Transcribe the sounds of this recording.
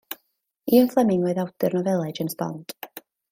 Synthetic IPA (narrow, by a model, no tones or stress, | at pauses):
iːənflˠɛmɪŋwɛɨðawdɨrnɔvɛlˠɛd͡ʒənsbɔ̰nd̥